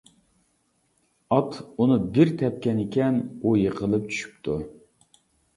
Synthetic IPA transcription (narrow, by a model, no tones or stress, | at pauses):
ɑt̪unɨbɪɾt̪ʰɛp̚kʲɛnɪkʲʰɛnujəqʰəlˠɨp̚t͡ʃʰy̥ʃy̥p̚t̪ʰu